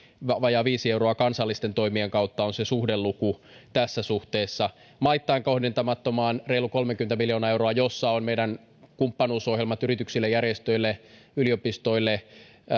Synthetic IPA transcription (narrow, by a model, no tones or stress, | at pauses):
ʋʋɑjɑːʋiːsieuroɑkɑnsɑlːist̪e̞nt̪o̞imieŋkɑut̪ːɑonsesuhdelːuku | t̪æsːæsuht̪eːsːɑ | mɑit̪ːɑiŋko̞hdint̪ɑmɑt̪ːomɑːnreiluko̞lmekyent̪æmiljoːnɑewɾoɑjosːɑonmeiɾæn | kumpːɑnuːsohjelmɑt̪yrit̪yksilːejærjest̪øilːeyliopist̪oilːe